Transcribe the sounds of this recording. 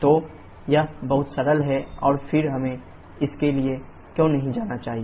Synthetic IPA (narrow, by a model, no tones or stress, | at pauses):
t̪oː | jɐbɐɦʊt̪sɐɾəlɦɛɔːɾfʰɪɾɦɐmẽ | ɪskelie | kjõːnɐɦĩd͡ʒaːnat͡ʃaːɦie